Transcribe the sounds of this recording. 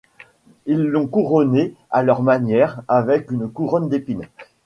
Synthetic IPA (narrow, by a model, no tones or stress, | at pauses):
ilːɔ̃kuʁɔnealœʁmanjɛʁavɛkynkuʁɔnd̪epin